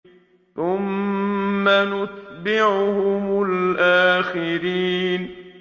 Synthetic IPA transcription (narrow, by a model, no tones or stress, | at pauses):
θʊmː | anʊt̪bɪʕhʊmʊlʔaːxɪɾiːn